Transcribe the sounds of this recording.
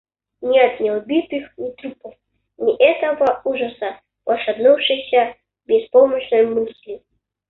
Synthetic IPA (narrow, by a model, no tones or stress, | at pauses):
nʲɛt̪nʲiɔbʲit̪ɨxnʲit̪ɾupɐf | nʲiʔɛt̪ɐvɐuʐɐsɐ | wɐʂad̪nuwʂɨsʲɐ | bʲɛspɔmɐɕnɔjmɨslʲi